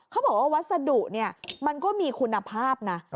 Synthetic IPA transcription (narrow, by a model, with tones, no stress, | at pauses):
kʰa˦˥bɔː˨˩k̚ʔa˥˩wa˦˥t̪̚sa˧du˨˩k̚ni˥˩ɐma˧nkɔː˥˩miː˧kʰu˧nːa˧pʰaː˥˩p̚na˦˥